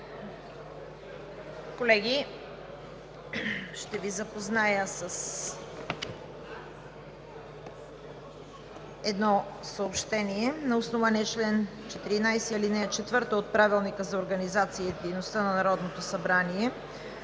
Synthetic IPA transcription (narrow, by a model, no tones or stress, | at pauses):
kolɛɡʲi | ʃt̪ɛvizɐpoznajəsəs | ɛd̪nɔsəopʃt̪ɛniɛnɐosnovaniɛt͡ʃlɛnt͡ʃɛt̪iɾinajsɛilinɛt͡ʃɛt̪vɤɾt̪əot̪̚pɾavilˠnikəzɐoɾɡənizat̪siəid̪ɛjnost̪ənɐnɐɾɔd̪not̪osɐbɾaniɛ